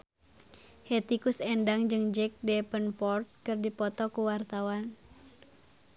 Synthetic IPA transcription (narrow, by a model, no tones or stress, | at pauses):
hɛt̪ikusɛndaŋd͡ʒɨŋd͡ʒɛk̚dɛpənpɔrt̪̚kɨrdipɔt̪ɔkuwart̪awan